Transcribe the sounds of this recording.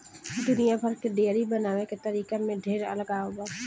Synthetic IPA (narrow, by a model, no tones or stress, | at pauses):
d̪ʊnijabʱəɾkeɖeːɾibənaːʋeket̪əɾiːkemẽɖʱeːɾɐ̰ləɡaːoɡaː